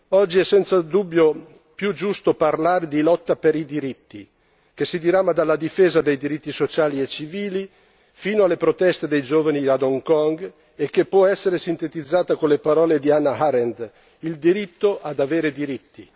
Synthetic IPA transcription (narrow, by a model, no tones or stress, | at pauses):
ɔd͡ʒːiɛsɛnt̪sad̪ubːjo | pjud͡ʒust̪oparlaːɾed̪ilɔt̪ːapeɾid̪iɾit̪ːi | kesid̪iɾamːad̪alːad̪ifeːzad̪ejd̪iɾit̪ːisot͡ʃaːliet͡ʃiviːli | fiːnoalːepɾot̪ɛst̪ed̪ejd͡ʒoːvaniad̪oŋkɔŋɡ | ekːepːwɔɛsːeɾesint̪et̪id̪zːaːt̪akonlepaɾɔːled̪ianːaɦaɾend̪ | ild̪iɾit̪ːoʔad̪aveːɾed̪iɾit̪ːi